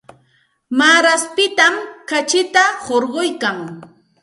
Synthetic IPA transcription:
maːɾaspɪt̪amkat͡ʃɪt̪ahoɾɢojkaŋ

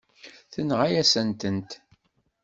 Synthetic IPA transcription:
θənʁajæsənt̪ənt̪

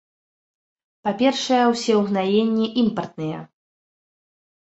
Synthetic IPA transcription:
papʲɛrʂɐjɐwsʲɛwɣnajenʲːiʔimpɐrt̪̚nɨjɐ̰

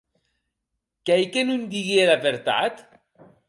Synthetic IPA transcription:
kejkenund̪iɣielaβeɾt̪a̰t̪

